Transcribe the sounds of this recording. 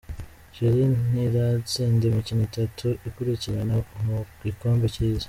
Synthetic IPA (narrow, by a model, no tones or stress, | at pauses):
ʒ̥iɾiniɾat͡siːndemicinitatʰuʔikuɾiciɾanamu | ikoːmbicizḁ